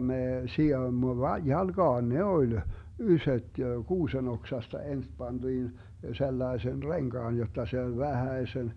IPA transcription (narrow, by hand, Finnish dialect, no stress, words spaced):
meː sijoimːo ʋɑ jɑlɡ̊ɑːn ne olʲ ysøt kuːsen oksɑstɑ ens pɑnd̥iːn selːɑesen reŋɡ̊ɑːn jotˑɑ se olʲ ʋæhæesen